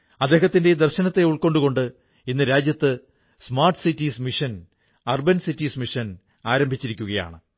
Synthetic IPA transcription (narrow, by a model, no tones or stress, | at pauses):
ɐd̪e̞ːɦɐt̪ːinde̞d̪ɐrɕɐnɐt̪ːe̞uɭko̞ɳɖuko̞ɳɖɨ | inːɨɾaːd͡ʑjɐt̪ːɨ | smaːrʈɨ̥sitːismiʂɐn | ɐrbɐnsitːiːsmiʂɐn | aːɾɐmbʱit͡ɕːiɾikʲːuɣɐja̰ːɳɨ